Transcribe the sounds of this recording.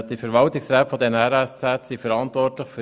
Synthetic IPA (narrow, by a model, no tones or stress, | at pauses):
d̥ifəɾʋɑltɪksɾɛːtfɔdɛnəɛɾɛst͡sætsifəɾɑntʋɔrtləχfø